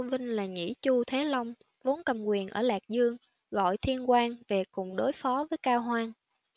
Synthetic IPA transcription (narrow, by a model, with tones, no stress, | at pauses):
vï˧ŋ̟laː˨˩ŋḭ˧˩˥t͡ɕu˧t̪ʰe˨˦lə˧wŋ͡m | vo˨˦nkə˨˩mkwi˨˩ənʔəː˧˩laː˨˩k̚zɨ˧əŋ | ɣɔ̰˧˨jt̪ʰi˧ənkwaː˧ŋve˨˩kʊ˨˩ŋ͡mɗo˨˦jfɔ˨˦vəː˨˦jkaː˧wɦwaː˧n